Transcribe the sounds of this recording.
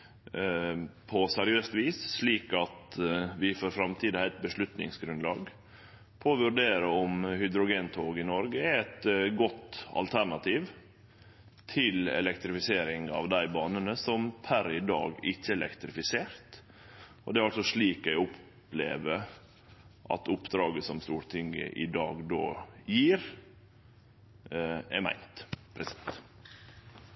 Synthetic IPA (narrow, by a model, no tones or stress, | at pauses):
pʰɔsæɾɪøːst̪ʋiːsʂliːkɑt̪ʋɪfɔɾfɾɑmt̪ʰiːd̪əɾɛt̪̚bəʂlʉt̪nɪ̰ŋsɡɾʉnlɑ̰ːɡ | pʰɔʋʉɾɖ̪eːɾəɔmhʏd̪ɾʊɡeːnt̪ʰoːɡɪnɔɾɡəæɛt̪ɡɔt̪ɑ̰lt̪ʰæɾɳɑt̪ʰiːʋ | t̪ʰɪlɛ̰lɛkt̪ɾɪfɪseːɾɪŋɑ̰ʋd̪æɪbɑːnənəsɔmpʰæɾɪd̪ɑ̰ːɡɪçːəɛlʔɛ̰kt̪ɾɪfɪseːɾt̪ | ɔd̪ɛæɾɑlsɔʂɭiːkæɪʊp | lḛːʋə | ʔɑ̰t̪ʊpd̪ɾɑːɡəsɔmst̪uːɾt̪ʰɪŋːə̰ʔɪ̰d̪ɑːɡd̪o̰ːjiːɾ | ɛ̰mæ̰ɪnt̪pʰɾɛsɛ̥t̪